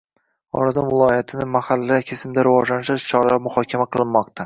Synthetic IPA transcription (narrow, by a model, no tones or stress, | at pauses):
ɒ̰ɾazɑnvɪlˠɒjat̪ʰɪnɪmahalːakʲʰesɪmd̪aɾɪvɒd͡ʒlanɪʃaʃt͡ʃʰɒɾmʊhɒkʲʰamaqʰɨlˠɪnmɒq̚t̪ʰa